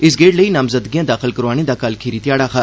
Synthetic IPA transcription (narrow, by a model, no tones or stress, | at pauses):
ɪs̬ɡeːʈləinaːmzəd̪ɡijãːd̪aːxɪlkɐɾaːned̪aːkɐlkʰeːɾit̪jaːɽaxʰaː